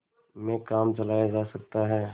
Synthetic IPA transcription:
mẽkaːmt͡ʃɐlaːjad͡ʒaːsɐk̚t̪aɦɛː

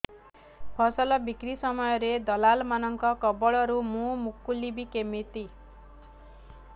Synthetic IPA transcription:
pʰʌsʌlʌbikɾisʌmɔjɔɾed̪ʌlalmanʌŋkɔkɔbɔɭʌɾumũmukːulibikemit̪i

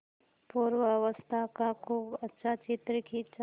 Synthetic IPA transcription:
puːɾwəʋəst̪ʰakakʰuːbɐtːʃʰat͡ʃɪt̪ɾəkit͡ʃa

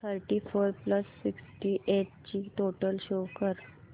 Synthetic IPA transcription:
t̪ʰəɾʈifoɾpləsːiksʈiʔeʈ̚t͡ɕiːt̪oʈəlɕokəɾ

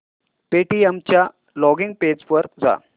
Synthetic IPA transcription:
peʈiemt͡ɕja | lɔɡiŋɡ̚ped͡zʋəɾd͡za̰

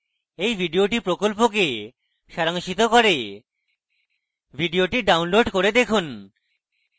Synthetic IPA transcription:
ejbʱiɖioʈipɾokolpoke | ʃaɾaŋʃit̪okoɾe | bʱiɖioʈiɖawnloɖkoɾed̪ekʰun

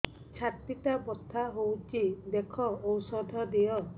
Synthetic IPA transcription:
t͡ʃʰat̪itabɔt̪ʰːaɦowt͡ʃʰid̪ekʰɔowsɔd̪ʱɔd̪ijɔ

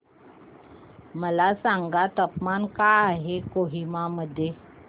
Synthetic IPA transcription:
məlasaŋɡat̪əpmankaaɦekoɦimaməd̪ʱːje

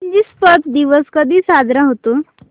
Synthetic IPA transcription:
d͡ʑiːspət̪d̪iʋəskəd̪ʱiːsad̪ɾãɦot̪o

